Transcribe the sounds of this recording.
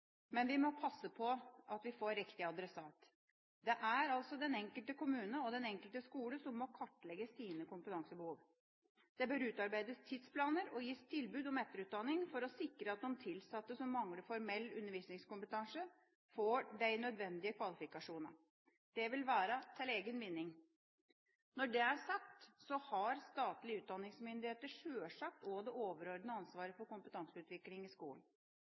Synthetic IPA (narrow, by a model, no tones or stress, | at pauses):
mɛnʋɪmɔpʰɑsːəpʰɔɑt̪ʋɪfoːɾɾɪkt̪ɪɑd̪ɾɛsɑːt̪ | d̪ɛʔæɾɑlsɔd̪ɛnɛŋkəlt̪əkʊmʉːnəɔd̪ɛnɛŋkəlt̪əskuːləsɔmːɔkʰɑʈːlɛɡəsiːnəkʊmpət̪ɑŋsəbəhuːʋ | d̪̥ɛbœɾʉːt̪ɑɾbæɪd̪əst̪ʰɪd̪spʰlɑːnəɾɔjiːst̪ʰɪlbʉːd̪ɔmɛt̪ːəɾʉːt̪̚d̪ɑnɪŋfɔɾɔsɪkɾəɑt̪̚d̪ɔmt̪ʰɪlsɑt̪ːəsɔmːɑŋləfɔɾmɛlːʉnːəɾʋiːsnɪŋskʊmpət̪ʰɑŋsə | foːɖæɪnœd̪ʋɛnd̪ɪəkʰʋɑlɪfɪkɑʂuːnɑ̰ | d̪̥ɛʋɪlʋæːɾət̪ʰɪleːɡənʋɪnːɪŋ | nɔɖɛæʂɑkt̪sɔhɑɾst̪ɑːt̪lɪəʉːt̪̚d̪ɑnːɪŋsmʏnd̪ɪheːt̪əʂøːʂɑk̚t̪ɔd̪ɛʔoːʋəɾɔɾd̪nəɑnsʋɑːɾəfɔɾkʊmpət̪ʰɑŋsəʉːt̪ʋɪklɪŋɪskṵːən